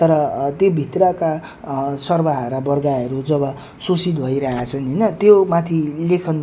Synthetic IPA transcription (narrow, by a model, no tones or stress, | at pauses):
t̪ʌɾʌt̪jobʱit̪rʌka | sʌrbaɦaɾabʌrɡaɦʌɾud͡zʌβʌ | sosid̪̚bʱʌiɾʌɦat͡sʰʌnɦʌjnʌt̪jomat̪ʰilekʰʌn